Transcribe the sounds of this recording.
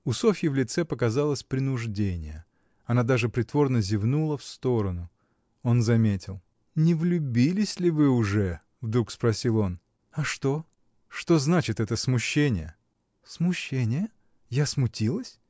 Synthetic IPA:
ʊsofʲjɪvlʲɪt̪sɛpəkɐzalˠəsʲpɾʲɪnʊʐdʲenʲɪ̰jə | ɐnad̪aʐɨpɾʲɪt̪vo̞rnəzʲɪvnulˠəfst̪o̞ɾənʊ | o̞nzɐmʲetʲɪlˠ | nʲɪvlʲʊbʲilʲɪsʲlʲɪvɨʊʐɛ | vd̪ɾukspɾɐsʲilˠo̞n | ɐʂt̪o̞ | ʂt̪o̞znat͡ɕɪt̪ɛt̪əsmʊɕːenʲɪjə | smʊɕːenʲɪjə | jasmʊtʲilˠəsʲ

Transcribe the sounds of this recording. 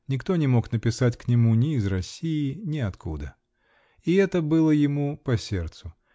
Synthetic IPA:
nʲɪkt̪o̞nʲɪmo̞knəpʲɪsatʲknʲɪmunʲɪːzrɐsʲːijɪnʲɪɐt̪kṵd̪ə | ɪɛt̪əbɨlˠəjɪmupɐsʲe̞rt̪sʊ

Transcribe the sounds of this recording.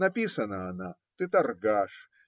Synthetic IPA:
nɐpʲisənəːna | t̪ɨt̪ɐrɡaʂ

